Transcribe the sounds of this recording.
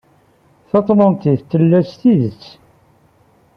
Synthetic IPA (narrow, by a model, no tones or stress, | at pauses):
θɑt̪ˤlənt̪iθt̪ːəlːæst̪iðət͡sː